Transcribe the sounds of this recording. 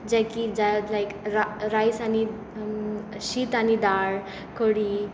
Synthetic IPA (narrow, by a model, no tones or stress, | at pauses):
d͡ʑakid͡zalajkɾaɾajsani | ɕiːt̪anid̪aɭ | kʰoɽi